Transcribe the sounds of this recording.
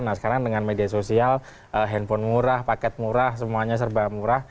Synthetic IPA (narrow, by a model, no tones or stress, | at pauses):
nahsə̥kaɾaŋdəŋanmediasosial | ʔəɦɛnfɔnmuɾahpakɛt̪̚muɾahsəmuaɲas̬ərbamuɾah